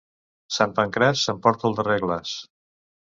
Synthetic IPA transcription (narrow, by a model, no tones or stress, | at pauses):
sampəŋkɾɛsːəmpɔɾt̪əlˠd̪ərɛɣləs